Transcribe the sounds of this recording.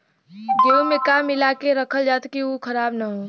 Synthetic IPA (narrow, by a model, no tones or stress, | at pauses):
ɡeumẽkaːmɪlaːkeɾəkʰəld͡ʒaːt̪kiukʰəɾaːbnəɦoː